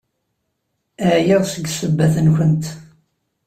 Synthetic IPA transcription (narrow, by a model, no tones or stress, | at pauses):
æʕjəðsəɡsəbːæθənçənt̪